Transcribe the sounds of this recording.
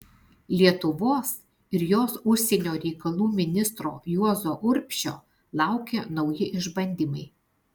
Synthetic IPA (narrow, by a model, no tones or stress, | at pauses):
lʲiɛt̪ʊʋoːs | ɪɾjoːsʊʃʲsʲɛnʲoːɾʲɛɪkɐlˠuːmʲɪnʲɪst̪ɾo̰ːjuɔzoːʔʊɾʲpʲʃʲo̰ː | lˠɑˑʊkʲenɒʊjɪʔɪʒbɐnʲd̪ʲimɐɪ